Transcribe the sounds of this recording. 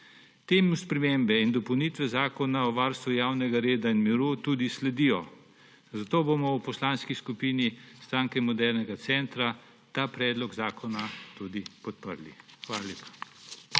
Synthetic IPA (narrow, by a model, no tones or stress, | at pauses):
t̪eːmuspɾɛmembɛind̪ɔpɔwnit̪ʋɛzaːkɔnaɔʋaɾst̪ʋujaːwnɛɡaɾeːd̪ainmiɾut̪uːd̪islɛd̪ijɔ | zat̪oːbomɔwpɔslaːnskiskupiːnist̪ɾaːŋkɛmɔd̪ɛɾnɛɡat̪sɛnt̪ɾa | t̪aːpɾɛːd̪lɔɡzaːkʰɔnat̪ud̪ipɔt̪pə̰ɾlḭxʋaːlalʲeːpḁ